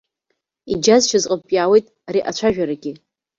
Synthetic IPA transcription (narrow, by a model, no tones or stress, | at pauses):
id͡ʒazʃʰazqʼəpʼjaːwejtʼaɾiʔat͡ʃʷʰaʒᶣaɾaɡʲɪ